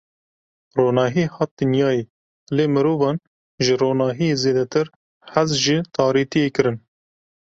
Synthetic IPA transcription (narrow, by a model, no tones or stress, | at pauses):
roːnɑːɦiːhɑːt̪̚d̪ɨnjɑːjeː | leːmɨɾuːvɑːn | ʒɨroːnɑːɦijeːzeːd̪ɛt̪ɨɾ | hæzʒit̪ʰɑːɾiːt̪ijeːkɨɾɨn